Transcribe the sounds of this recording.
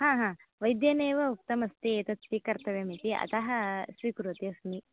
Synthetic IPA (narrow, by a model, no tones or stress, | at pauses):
hãːɦãːʋɐjd̪jɐneːʋɐuk̚t̪ɐmɐst̪it̪ɐt̪ʋikɐɾt̪ʰɐʋemit̪iɐ̰t̪ɐɦɐsʋiːkɾut̪jɐsni